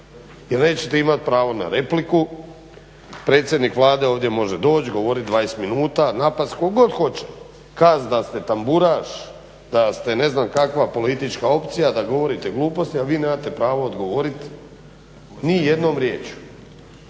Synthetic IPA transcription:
jeɾne̞ːt͡ɕet̪eimat̪̚pɾaːʋo̞na̰ɾe̞pliku | pɾe̞ːt̪sʲje̞d̪nikʋlˠaːd̪e̞oːʋd̪jemo̞ʒed̪o̞ːt͡ɕɡo̞ʋo̞ɾit̪̚d̪ʋaːjesminuːt̪anapat̪st̪kokɡo̞d̪xo̞t͡ɕe̥ | kazd̪ast̪e̞t̪ambuɾaːʃ | d̪̥ast̪e̞ne̞znamkakʋapo̞lit̪it͡ʃkao̞pt̪sijad̪aɡo̞ʋo̞ɾit̪eɡlˠuːpo̞st̪iaʋiːneːmat̪e̞pɾaːʋo̞ːd̪ɡo̞ʋo̞ɾit̪ | nije̞d̪no̞ːmɾjeːt͡ɕu̥

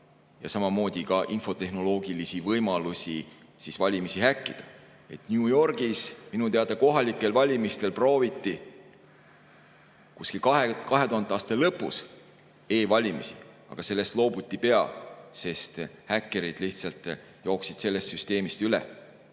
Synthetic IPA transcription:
jɑ̰sɑmɑmo̞ːd̪̥ʲikɑʔinfo̞t̪e̞hno̞lo̞ːɡilisivɤjmɑlusʲi | sisvɑlʲimisihækːid̪̥ɑ | e̞t̪nʲuːjo̞rɡ̥isminut̪eɑd̪ɑko̞ɦɑlikːˑe̞lvɑlʲimist̪e̞lpro̞ːvit̪ˑːi | kuskikɑɦekɑɦe̞t̪uɦɑnd̪eɑːst̪ɑlɤpːˑus | e̞ːvɑlʲimisi | ɑ̰ɡ̥ɑse̞lːe̞st̪lo̞ːbut̪ʲːˑipe̞ɑ̰se̞st̪hækːeɾid̪̥liht̪sɑlt̪ˑ | joːksid̪̥se̞lːe̞st̪syst̪e̞ːmist̪ylḛ

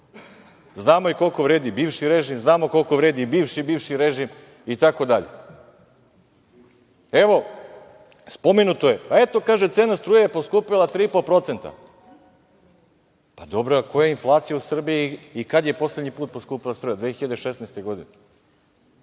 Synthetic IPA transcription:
znaːmo̞iko̞lko̞ʋɾeːd̪ibiːvʃiɾeʒimznaːmoko̞lkoʋɾeːd̪ibiːʋʃibiːʋʃiɾeʒim | it̪ako̞d̪aʎḛ | e̞ʋo̞ | spo̞menut̪oje̞pae̞t̪o̞kaːʒet̪seːnast̪ɾuːjajepo̞skuːpilˠat̪ɾiːipopɾo̞t̪se̞nt̪a̰ | pad̪obɾoko̞jainflˠaːt̪sijausr̩bijiːkad̪je̞po̞sle̞d̪ɲipuːt̪̚poskuːpilˠast̪ɾuːjad̪ʋexiʎad̪eʃesnest̪eɡo̞d̪ine

